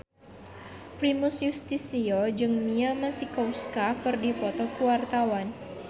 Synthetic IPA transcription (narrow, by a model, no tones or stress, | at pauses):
pɾimusjust̪isiod͡ʒɨŋmiamasikowskakɨrdipɔt̪ɔkuwart̪awan